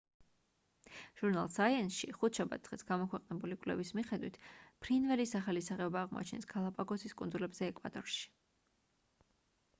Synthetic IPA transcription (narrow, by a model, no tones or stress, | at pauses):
ʒ̥uɾnalˠsaiɛnsʃiχut̪ʰʃabat̪sʰχisɡamɔkʰwɛqʼnɛbulikʼlɛvismiχɛd̪wḭt̪ʰpʰɾinvɛlisaχalisaʁɛɔbaːʁmɔ̰a̰t͡ʃʰnɛ̰sɡʰalˠapʼaɡɔsiskʼund̪zulɛbzɛːkʼwa̰d̪ʼɔɾʃi̥